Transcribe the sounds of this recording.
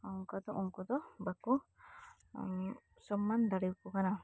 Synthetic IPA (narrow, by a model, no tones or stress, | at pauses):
aɔŋkad̪ɔʔɔŋkɔd̪ɔbakɔ | sɔmːand̪aɽiwkɔkana